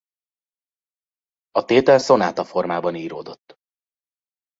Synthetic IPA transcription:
ɒt̪eːt̪ɛlso̞naːt̪ɒfo̞rmaːbɒniːɾoːd̪o̞t̪ː

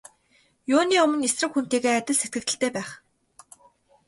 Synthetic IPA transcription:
jʊːniːʊmə̆nesrə̆kxun̥t̪iːɣeːat̪ʲɪ̆ɮset̪̚ɡɘ̆k̚t̪ɘ̆ɬt̪ʰeːpæːχ

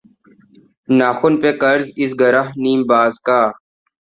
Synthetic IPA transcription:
naːxʊnpeːkəɾzɪsɡəɾaɦniːmbaːzkaː

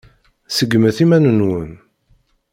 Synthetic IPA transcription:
səɡməθimænənwən

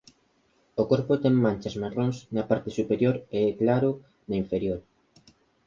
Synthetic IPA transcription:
okoɾpot̪ɛŋmãnt͡ʃɐsmaroŋsnɐpaɾt̪esupeɾjoɾeɛklaɾʊ | nɐiɱfeɾjoɾ

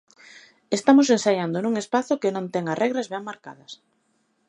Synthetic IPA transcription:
est̪amos̬ensajand̪onuŋespaθʊkenõnt̪ɛŋarʔɛɣɾazβɛŋmaɾka̰ðɐs

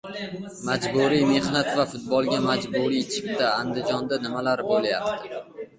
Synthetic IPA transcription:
mad͡ʒbuɾijme̞hnat̪vafʊt̪̚bɒlˠɡʲamad͡ʒbuɾit͡ʃʰɪ̥p̚t̪aːnd̪ɪd͡ʒɒnd̪anɪmalaɾɪbolˠaja̰p̚t̪ʰɪ

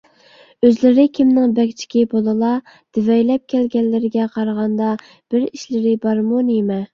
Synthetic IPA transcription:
øzlɪɾɪkʲʰimnɪŋbɛkʲt͡ʃʰi̥kʲibolˠɨlˠɑ | d̪̥ɪvɛjlɛp̚kʲʰɛlɡʲɛlːɪɾɪɡʲɛqʰɑɾʁɑnd̪ɑ | b̥ɪɾiʃlɪɾɪbɑɾmunemɛ

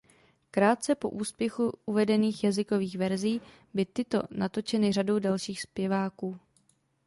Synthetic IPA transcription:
kɾaːt̪̚t͡sɛpo̞ʔuːspjɛxuʔuvɛdɛniːxjazɪko̞viːxvɛɾziː | bɪt̪ɪt̪o̞̰nat̪o̞t͡ʃɛnɪr̝ado̞wdalʃiːxspjɛvaːkuː

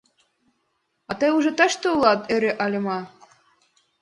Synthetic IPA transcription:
ɑt̪ɤjuʒĕt̪ɑʃt̪oulɑt̪ĕɾĕʔɑlʲɤ̆mɑ

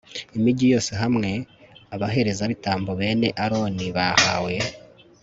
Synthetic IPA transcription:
imiɟijo̞ːseɦamŋe̞aβaɦe̞ɾe̞zaβitaːmbo̞βe̞ːne̞ʔaɾo̞ːniβaha̰we̞

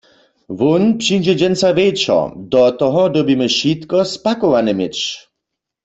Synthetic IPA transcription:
vunpʂind͡ʒɛd͡ʒɛnt͡savet͡ʃɔ̰dɔt̪ɔɦɔdɔbimɛʃit̪kɔspakɔwanɛmɪt͡ʃ

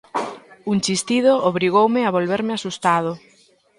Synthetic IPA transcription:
uŋt͡ʃist̪ið̞ooβɾiɣ̞owmɪaβolβeɾmɪasust̪að̞ʊ

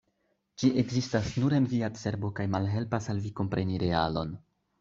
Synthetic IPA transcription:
d͡ʒiʔe̞ɡzistasnuɾenviase̞ɾbo̞kajmalɦe̞lpasalviko̞mpɾʔe̞niɾe̞a̰lo̞̰n

